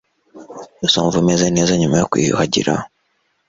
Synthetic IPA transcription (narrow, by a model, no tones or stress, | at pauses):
isoːɱvumezeneːzaɲumajokwḭːjṵhaɟḭɾa̰